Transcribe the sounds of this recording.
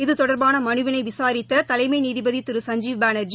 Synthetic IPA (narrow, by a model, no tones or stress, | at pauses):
ɪðɯt̪ɔɽɐɾbaːnɐmɐnɯʋɐnɐɪʋɪsaːɾɪt̪ːɐt̪ɐlɐɪmɐɪniːðɪbɐðit̪ɪɾɯsɐɲd͡ʒiːʋbaːnɐɾd͡ʒi